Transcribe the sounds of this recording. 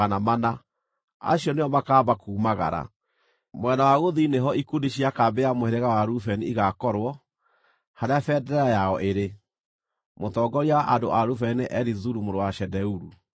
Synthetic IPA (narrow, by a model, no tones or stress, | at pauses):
anamana | a̰ɕiɔneɔmakaːbakuːmaɣa̰ɾa̰ | mwɛnawaɣoðineɦɔikundiɕiakabeamoeɾeɣawaɾufɛniiɣakɔɾwɔ | haɾeafɛːdɛɾɛɾajaɔʔeɾe | motɔːɡɔɾiaʔado̰ʔaɾufɛneʔɛɾizuɾumoɾowaʃɛdɛuɾu